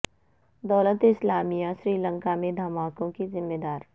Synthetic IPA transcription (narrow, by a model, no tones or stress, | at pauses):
d̪ɔːlət̪ɪslaːmijaʃɾiːlə̃ŋkamẽd̪ʱɐmaːkõkizɪmːed̪aːɾ